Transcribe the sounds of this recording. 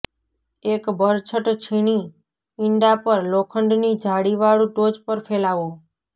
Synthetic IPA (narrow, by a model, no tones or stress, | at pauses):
ekbəɾt͡ʃʰəʈt͡ʃʰiɽ̃i | ɪɳɖapəɾlokʰəɳɖnid͡ʒʱaɽiʋaɭũʈod͡ʒpəɾfʰelaʋo